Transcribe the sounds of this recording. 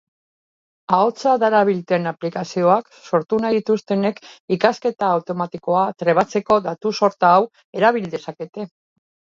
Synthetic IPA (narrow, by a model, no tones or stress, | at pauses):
ao̞t͡saðaɾaβ̞ilt̪e̞naplikasio̞ak | so̞ɾt̪unat̪ust̪e̞ne̞kikaske̞t̪aːwt̪o̞mat̪iko̞at̪ɾe̞β̞at͡se̞ko̞ðat̪uso̞ɾt̪aːw | e̞ɾaβ̞ild̪e̞sake̞t̪e̞